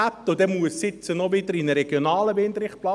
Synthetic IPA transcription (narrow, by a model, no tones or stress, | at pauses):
æp̚t̪ʊd̥̪ɛmuəssɪt͡sənɔʋɪd̪əɾinəɾɛɡ̥jonɑːləbɪnd̪ɾɪχplɑ